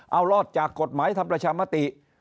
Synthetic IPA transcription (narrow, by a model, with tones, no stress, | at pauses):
ʔa˧wlɔː˥˩t̪̚t͡ɕaː˨˩kːo˨˩t̪̚maː˩˦jt̪ʰa˧mpɾa˧t͡ɕʰaː˧ma˧˥˩t̪i˨˩ʔ